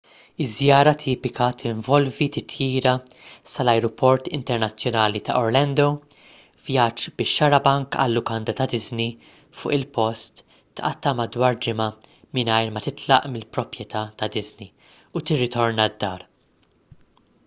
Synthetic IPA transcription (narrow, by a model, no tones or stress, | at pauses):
ɪzjɐːɾɐt̪ʰiːpɪkɐt̪ʰɪɱvɔlvit̪ɪt̪ʰjiːɾɐsɐlɐjɾɔpʰɔɾt̪ɪnt̪ɛɾnɐt͡sːjɔnɐːlit̪ɐ̰ʔɔɾlɐnd̪o | vjɐd͡ʒbɪʃːɐɾɐbɐŋkɐ̰lːʊkɐnd̪ɐt̪ɐd̪ɪzni | fʊ̰ːʔɪlpɔst̪ | t̪ʔɐ̰t̪ːɐmɐd̪wɐːɾd͡ʒɪmɐ | mɪnɐjɾmɐt̪ɪt̪lɐ̰ʔmɪlpɾɔpɾjɛt̪ɐːt̪ɐd̪ɪzni | ut̪ɪrːɪt̪ɔɾnɐd̪ːɐːɾ